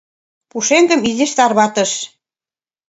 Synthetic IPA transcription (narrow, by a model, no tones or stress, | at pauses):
puʃeŋɡə̆mizĕʃt̪ɑrβɑt̪ə̆ʃ